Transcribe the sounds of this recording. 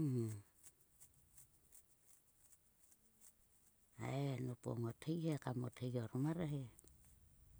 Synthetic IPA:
a̰enopo̰ŋotʰhejhekamotʰejoɾomaɾaɦe

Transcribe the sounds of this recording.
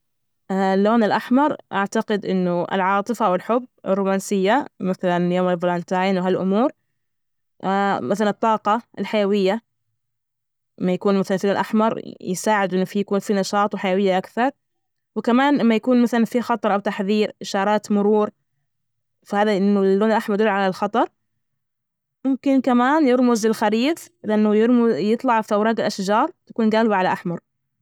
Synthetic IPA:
ʔalːoːnɪlʔaħmɑɾˤʔaʕt̪aqɪd̪ʔɪnːʊɪ̰lʕɑːt̪ˤɨfawɪlħʊbːɪ̰rːʊːmaːnsɪjːamɪθalanjoːmɪlvlɑːnt̪aʕiːnwɦalʔʊmuːɾ | ʔmaθalanɨt̪ˤːɑːqɑɪlħajawɪjːa | mːajakuːnmaθalanfoːnlʔaħmɑɾˤjɪsaːʕɪd̪ʔɪnːʊfijakuːnfinɑʃɑːt̪ˤwɪħajawɪjːaʔakθɑɾˤ | wɪkamaːnʔamːajakuːnmaθalanfixɑt̪ˤɑɾˤʔawt̪aħðiːɾʔɪʃɑːɾˤɑːt̪mʊɾuːɾ | fahaːðaʔɪnːʊlːoːnɪlʔaħmɑɾd̪uːʕalalxɑt̪ˤɑɾˤ | mʊmkɪnkamaːnjɪɾmʊzɪlxaɾiːd̪lɪʔanːʊjɪɾmʊjɨt̪ˤlɑʕfawɾˤɑːɡɪlʔaʃd͡ʒɑːɾˤt̪ḁkuːnɡaːlɪbaʕalaʔaħmɑɾˤ

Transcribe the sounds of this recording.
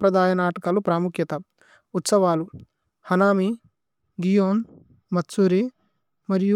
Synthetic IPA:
pɾɐd̪ʱaːjɐnaːʈɐkɐlupɾaːmukjɐt̪ɐː | t̪sɐʋaːlu | hɐnaːmi | ɡijoːn | mɐt̪suːɾe | mɐɾiju

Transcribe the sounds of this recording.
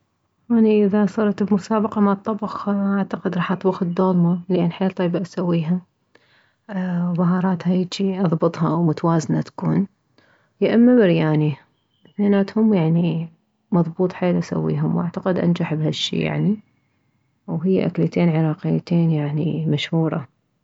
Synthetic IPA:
aniʔɪðasˤɑɾˤt̪bmʊsaːbɑqɑmaʕt̪ˤːɑbxʔaʕt̪aqɪd̪ɾˤɑːħʔɑt̪ˤbʊxd̪oːlmalʔanːħeːlt̪ˤɑjbaʔasawːiːɦa | wmaɦɑːɾˤɑːt̪hajt͡ʃiʔɑðˤbɨt̪ˤhɑwmʊt̪awaːznat̪ḁkuːn | jaʔamːabɪɾjaːni | enaːt̪hʊmːjaʕni | mɑðˤbuːt̪ˤħaːlʔasa̰wːḭːɦʊmwʔa̰ʕt̪aqɪd̪ʔa̰nd͡ʒaħbhaʃːḭːja̰ʕni | wɦɪjːa̰ʔa̰klat̪eːnʕɪɾˤɑːqɪjːat̪eːnjaʕnimaʃhuːɾˤɑ

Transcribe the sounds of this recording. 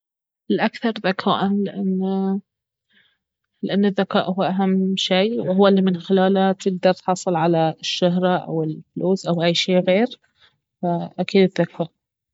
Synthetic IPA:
ɪlʔakθɑɾˤðakʰa̰ːʔanlɪʔanː | lɪʔanːɪðːakaːʔhʊːʔaɦamːʃiːwɪhʊwːalːimɪnxɪlaːlat̪ɪɡ̚d̪ɑɾˤt̪ħɑsˤɨlʕalaʃːaɦɾˤɑʔa̰wɪlfluːsʔawʔajːʃeːʔɣeːɾ | faʔakiːd̪ɪðːakʰaːʔ

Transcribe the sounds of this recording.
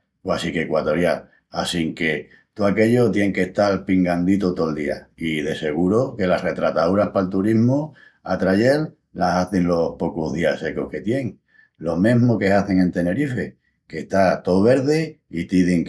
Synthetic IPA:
wasike̞kwat̪o̞ɾjal | asiŋke̞ | t̪uake̞ʎot̪je̞ŋke̞ht̪alpiŋɡand̪it̪ot̪old̪ia̰iðe̞se̞ɣuɾoke̞lare̞t̪ɾat̪auɾahpalt̪uɾiɦmo | at̪ɾaʝe̞lː | asaθe̞ŋlo̞hpo̞kuðiase̞kohke̞t̪je̞ŋ | lo̞mẽɦmoke̞aθe̞ŋẽ̞nt̪e̞ne̞ɾife̞ | ke̞ht̪at̪o̞βe̞ɾðeit̪iðiŋ

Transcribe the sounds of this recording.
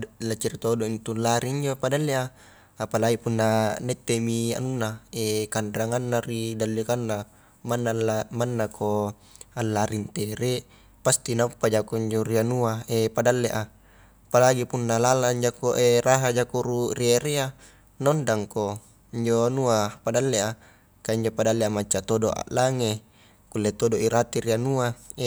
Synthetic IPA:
lat͡ʃiɾit̪odoint̪ulːaɾiiɲd͡ʒopadalːea | apalaipunːanet̪ːemia̰nunːaekandaŋanːaridalːekanːa | manːalamanːakʰo | alːaɾʔint̪eɾe | past̪inaupːad͡ʒakoiɲd͡ʒorianuaepadalːeʔa | palaɡipunːalalaɲd͡ʒakoʔeraɦad͡ʒakuɾurieɾea | nondaŋko | iɲd͡ʒonuapadalːea | kaiɲd͡ʒopadalːeamat͡ʃːat̪odoʔa̰ʔlaŋe | kulːet̪odoʔiɾat̪iɾianuae

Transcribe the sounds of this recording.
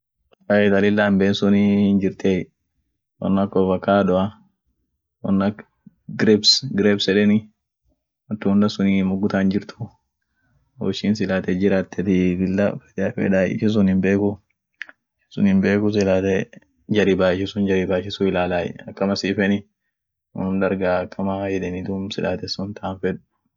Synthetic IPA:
ɐɛt̪ɐlɪlːambɛnsʊnɪnd͡ʒɪɾt̪ʰe | wɐ̰nːɐkːɔfɐkːaːᶑɔʔɐ | wɔnːɐ | ɡɾɛbsɡɾeːbsɛᶑɛnɪ | ɐt̪ːuhʊnd̪ɐsʊnimʊɡʊt̪aːnd͡ʒɪɾt̪ʰʊ̥ | ɔ̰ʃiːnsɪlaːt̪ɛd͡ʒɪɾat̪ʰːɛt̪ɪbɪlːɐfɛ̥d̪ɛfɛ̰ᶑaːjɪ̰ʃɛs̬ʊnhɪmbeːkʊ | sʊ̰nɪmbeːkʊs̬ɪlaːt̪ɛ | d͡ʒɐɾibaːɪʃɛsʊnd͡ʒɐɾibaːʃɪsʊɪlaːlaːjɛ̰ɐkːɐmɐsiːfɛnɪ | wɔ̰nʊnd̪ɐɾɡakʼːɐmajɛᶑɛnɪd̪uːmsɪlʔa̰ːt̪ɛsʊnt̪ɐanfɛᶑʊ

